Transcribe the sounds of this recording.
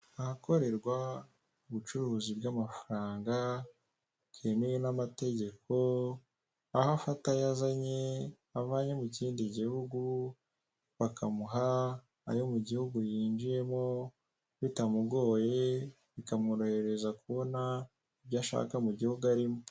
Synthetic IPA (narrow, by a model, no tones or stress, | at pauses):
ahako̞ɾe̞ɾɡwa | uβut͡ʃuɾuːzibɡamafaɾaːŋɡa | kʰenejenamate̞ɟe̞ko̞ | ahafatajazaɲe̞ | aβaɲemuciːndiɟihuɡu | βakʰamuɦa̰ː | jo̞muɟihuɡujiːnd͡ʒije̞mo | βitamuɡo̞ːje | βikamuɾo̞he̞ɾe̞zakuβo̞na | iβɟaʃa̰ːkamuɟihuɡaɾimo